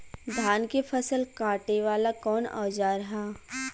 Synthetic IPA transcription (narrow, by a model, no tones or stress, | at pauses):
d̪ʱaːnkefʰɐsəlkaːʈeʋaːlakɔːna̰ːd͡ʒaːɾɐɦaː